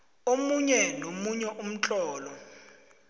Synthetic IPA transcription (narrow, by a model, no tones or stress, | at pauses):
omuɲɛnomuɲɛʔum̩t͡ɬʼɔːlɔ